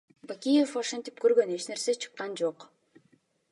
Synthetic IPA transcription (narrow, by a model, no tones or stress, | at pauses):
bakʲijefoʃɑnt̪i̥p̚køɾɡø̞ne̞t͡ʃne̞ɾset͡ʃʰɯ̥qːɑnd͡ʒoq